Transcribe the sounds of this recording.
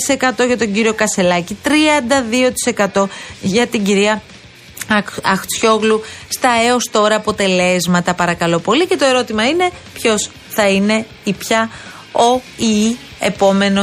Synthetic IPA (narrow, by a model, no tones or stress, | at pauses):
ise̞kɐt̪o̞ʝɐt̪o̞ɲɟiɾio̞kɐse̞lɐcit̪ɾiɐnd̪ɐðio̞t̪i̥se̞kɐt̪o̞ʝɐt̪iɟiɾiɐ | ɐxt͡sço̞ɣlust̪ɐe̞o̞st̪o̞ɾɐːpo̞t̪e̞le̞zmɐt̪ɐpɐɾɐkɐlo̞po̞lice̞t̪oe̞ɾo̞t̪imɐine̞pço̞s | θɐine̞ | ipçɐ | oi | epo̞me̞no